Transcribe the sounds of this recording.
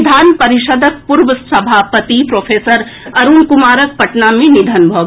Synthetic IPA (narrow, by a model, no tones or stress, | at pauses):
d̪ʱanpəɾiʃəd̪ʱək̚puɾbəsəbʱapət̪ipɾopʰesəɾ | ɐɾunkumaɾək̚pɐʈnamenid̪ʱənbʱɔb